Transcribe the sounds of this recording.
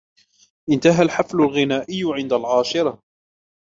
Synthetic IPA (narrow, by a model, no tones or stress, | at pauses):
ʔɪnt̪aɦalħaflʊlɣɪnaːʔɪjːʕɪnd̪alʕɑːʃɪɾˤɑ